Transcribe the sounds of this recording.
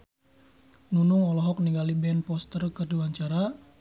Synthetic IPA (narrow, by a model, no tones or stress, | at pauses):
nunʊŋɔlɔɦɔk̚niŋɡalibɛnpɔst̪ərkərduwaɲt͡ʃaɾa